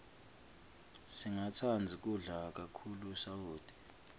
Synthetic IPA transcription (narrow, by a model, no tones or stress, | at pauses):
siŋat͡sʰand͡zʱik̬ʼuɮak̬ʼakʰulusauːd̥ʱi̥